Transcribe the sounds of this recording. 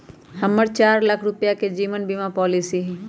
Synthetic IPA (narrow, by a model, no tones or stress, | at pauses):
hɐmːəɾt͡ʃaːɾlɐkʰɾʊpjaked͡ʒiːʋənbimapɔːlisiɦɛ̃